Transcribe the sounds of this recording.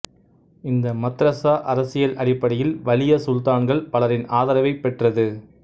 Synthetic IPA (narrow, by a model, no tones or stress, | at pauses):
ɪnd̪ɐmɐt̪ːɾɐsaːʔɐɾɐsɪjɐlʔɐɽɪpːɐɽɐjɪlʋɐlɪjɐsʊlt̪aːnɡɐɭpɐlɐɾɪnaːðɐɾɐʋɐɪpːɛʈrɐðɯ